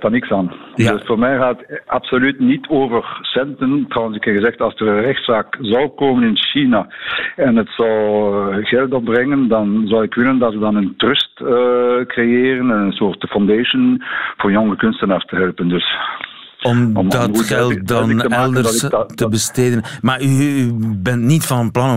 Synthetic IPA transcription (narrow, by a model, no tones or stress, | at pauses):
tɑnɪksaːn | døsfoːrmɛjɣaːtapsolytnitʰoːvərsɛntəntrɔwənsɪkhɛɣəzɛxtɑzdərɛxtsaːkzɑlˠkoːmənɪnʃinaɛnətsɑlɣɛlˠtɔbrɛŋəndɑnzɑlɪkʋɪləndɑtʋədɑnəntrʏstəkrejeːrənɛnənsoːrtəfɔndeːʃənvoːrjɔŋəkʏnstənaːrstəɦɛlˠpəndøs | ɔmɔdɑxɛlˠt̚dɑnɛlˠdərstəbəsteːdənmaːyybɛntnitfɑnənplɑn